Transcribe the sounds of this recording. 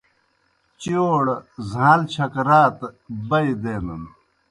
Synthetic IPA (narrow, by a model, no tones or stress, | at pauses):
t͡ɕoːɽzãːlt͡ɕʰɐkɾaːt̪bɐid̪eːnɐn